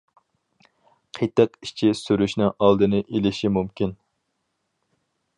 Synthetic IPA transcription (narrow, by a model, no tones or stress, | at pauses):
qʰet̪ɛki̥ʃt͡ʃʰisyɾyʃnɪŋʔɑlˠd̪ɨnɨʔelɪʃimumkʲin